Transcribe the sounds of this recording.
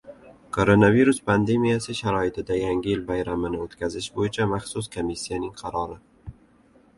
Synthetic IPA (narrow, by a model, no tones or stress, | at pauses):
kʰoɾonaviɾuspʰand̪e̞mijasɪʃaɾɒɪt̪ʰɪd̪ajaŋʲɪjɪlbajɾamɪnɪot̪kʲazɪʃbojɪt͡ʃʰamaχsʊskʰomisːijanɪŋqʰɑɾɒɾɪ